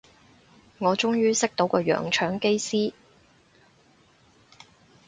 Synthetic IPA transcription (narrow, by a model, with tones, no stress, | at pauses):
ŋɔː˨˧t͡ʃʊ˥ŋjyː˥sɪ˥k̚t̪o˨˥wkɔː˧jœ̰ː˨˩ŋt͡ʃʰœː˨˥ŋke˥jsiː˥